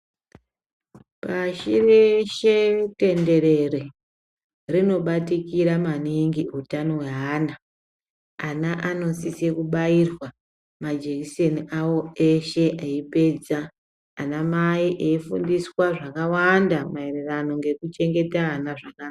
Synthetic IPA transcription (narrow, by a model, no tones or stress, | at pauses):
paʃiɾeʃete̞nde̞ɾe̞re | rino̞ɓatikiɾamaniŋɡiutano̞weɦaːna | anaʔano̞sisekuɓairwa | mad͡ʒekiseniawo̞eʃe̞ʔeipe̞d͡zaː | namaiʔeifundiswaʐakawandamaererano̞ŋɡe̞kut͡ʃe̞ŋɡe̞taɦanaʐaka